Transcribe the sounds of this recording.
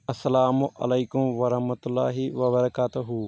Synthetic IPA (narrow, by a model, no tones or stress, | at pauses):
ɐsːɐlaːmʔɐ̰lejkʊmʋɐɾɐhmɐt̪ʊlːa̰ːɦiʋɐbɐɾɐkaːt̪ʊɦu